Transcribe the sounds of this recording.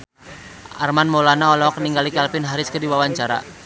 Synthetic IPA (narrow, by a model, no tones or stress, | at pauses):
ʔa̰rmanmolanaɔlɔɔkəniŋɡalikɛlpɪnɦaɾɪskədiwawaɲt͡ʃaɾa̰